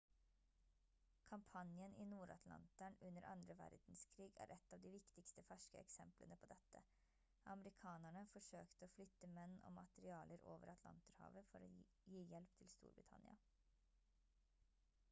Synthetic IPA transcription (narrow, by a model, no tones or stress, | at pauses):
kʰɑmpʰɑnjənɪnuːɾɑ̰t̪ʰlɑ̰nt̪æɳʉnːəɾʔɑ̰nd̪ɾəʋæ̰ɾd̪̥n̩skʰɾiːɡæ̰ːɾʔɛt̪ːɑːʋd̪ɪʋɪkt̪ɪkst̪əfæʂkəɛksɛmplənəpʰɔd̪ɛt̪ːə | ʔɑməɾɪkʰɑːnæɳəfɔʂøːkt̪əoːflʏt̪ːəmɛnːɔ̰ːmɑt̪əɾɪɑːləɾoːʋəɾɑt̪ʰlɑ̰nt̪əɾhɑ̰ːʋəfɔɾo | jiːjɛlpt̪ʰɪlst̪ṵːɾbɾɪt̪ʰɑ̰nɪɑ